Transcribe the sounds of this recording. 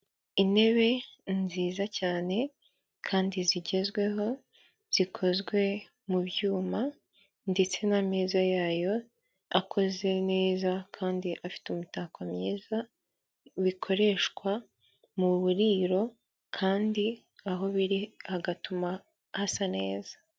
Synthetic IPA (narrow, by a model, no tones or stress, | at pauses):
ine̞βe̞nziːzacaːne̞ | kʰaːndiziɟe̞zɡwe̞ɦo̞ | z̥ikʰo̞zɡwe̞ | muβjuːma | nde̞t͡se̞nameːzajaːjo̞ | akʰo̞ze̞ne̞ːzakʰaːndiʔafi̥tumutakwamɲeːza | βikʰo̞ɾe̞ːʃkwa | muβuɾiːɾo̞ | kʰaːndi | aɦo̞βiɾihaɡatuma | hasane̞ːzḁ